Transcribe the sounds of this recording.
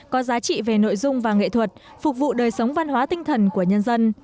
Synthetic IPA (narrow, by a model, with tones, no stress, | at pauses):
kɔ˨˦zaː˨˦t͡ɕḭ˧˨ve˨˩no̰˧˨jzʊ˧ŋ͡mvaː˨˩ŋḛ˧˨t̪ʰwə˨˩t̚fʊ˨˩k̚vṵ˧˨ɗəː˨˩jsə˨˦wŋ͡mva˧nɦwaː˨˦t̪ï˧ŋ̟t̪ʰə˨˩nku˧˩əɲə˧nzə˧n